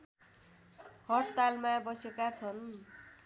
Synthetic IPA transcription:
hʌʈt̪almabʌsekat͡sʰʌn

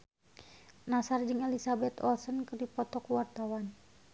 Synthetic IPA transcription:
nasard͡ʒɨŋɛlisabɛt̪ɔlsənkɨrdipɔt̪ɔkuwart̪awan

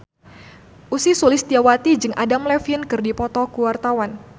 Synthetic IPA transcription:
ʔusisulɪst̪iawat̪id͡ʒɨŋʔadamlɛfinkɨrdipɔt̪ɔkuwart̪awan

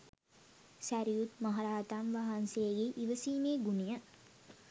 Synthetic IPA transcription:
sæɾijut̪maɦaɾaːt̪amʋaːɦansejeɡeʔiʋəsiːmeːɡunijə

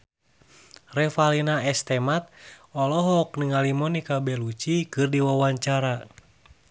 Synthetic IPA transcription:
rɛfalinaɛst̪ɛmat̪̚ɔlɔɦɔk̚nəŋalimɔnikabɛlut͡ʃikɨrdiwawaɲt͡ʃaɾa

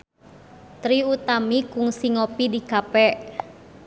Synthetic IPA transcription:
t̪ɾiut̪amikuŋsiŋɔpidikapɛʔ

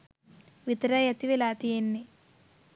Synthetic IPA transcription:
ʋit̪ɾɐjɐt̪iʋilaːt̪ijenːi

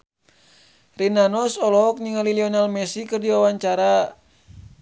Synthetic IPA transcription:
rinanɔsɔlɔɔk̚ɲiŋaliliɔnalmɛsikɨrdiwawaɲt͡ʃaɾa

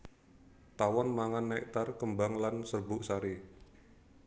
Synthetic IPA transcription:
t̪awɔnmaŋanːɛk̚t̪arkəmbaŋlansərbʊʔsaɾi

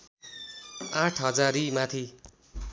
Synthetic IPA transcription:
ãʈʰɦʌd͡zaɾimãt̪ʰi

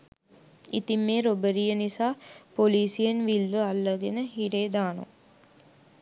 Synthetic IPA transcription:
ḭt̪imːeːɾobɐɾijɐnisaːpoliːsijenʋilːuɐlːɐɡenəɦiɾeːd̪aːnṵ

